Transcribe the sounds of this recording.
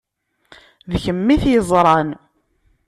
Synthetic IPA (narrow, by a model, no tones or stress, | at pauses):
ðçəmːiθjəzˤɾˤɑn